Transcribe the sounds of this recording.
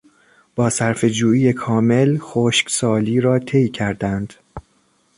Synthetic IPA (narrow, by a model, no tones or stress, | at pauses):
b̥ɒːsæɾfe̞d͡ʒuːiːje̞kʰɒːme̞lxoːʃcsɒːliːɾɒːt̪ʰe̞jcʰæɾd̪ænd̪̥